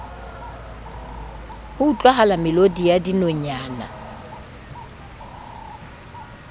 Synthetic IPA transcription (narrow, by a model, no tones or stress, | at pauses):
hʊːt͡ɬʼwaɦalamɪlodijadinɔɲaːna̰